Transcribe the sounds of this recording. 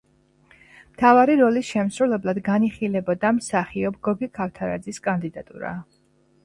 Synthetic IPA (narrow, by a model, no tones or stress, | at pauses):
mt̪ʰavaɾiɾɔlisʃɛmsɾulɛblˠad̪ɡaniχilɛbɔd̪amsaχiɔb̚ɡɔɡikʰaft̪ʰaɾa̰d̪ziskʼand̪id̪at̪ʼṵɾa̰